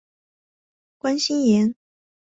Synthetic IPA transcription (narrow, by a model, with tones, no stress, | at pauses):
kwa˥nɕi˥njɛ˧˥n